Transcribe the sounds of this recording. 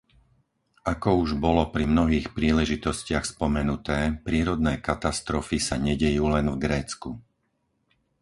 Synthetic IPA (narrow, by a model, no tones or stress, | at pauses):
akɔuʒbɔlɔpɾimnɔɦiːxpɾiːlɛʒit̪ɔscɪaxspɔmɛnut̪ɛːpɾɪɛːɾɔd̪nɛːkat̪ast̪ɾɔfisaɲɛɟɛjuːlɛnvɡɾɛːt͡sku